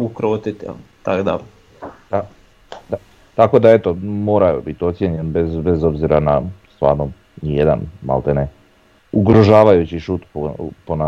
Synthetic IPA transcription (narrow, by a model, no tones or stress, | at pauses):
ukɾoːt̪it̪t̪akd̪a̰ | d̪a | d̪a | t̪ako̞d̪ae̞t̪omo̞ːɾajubit̪io̞t̪sjeɲenbezbezo̞bziɾanast̪ʋa̰ːɾno | nijed̪a̰nma̰lˠt̪ene | uɡɾoʒaːʋajut͡ɕiʃut̪popona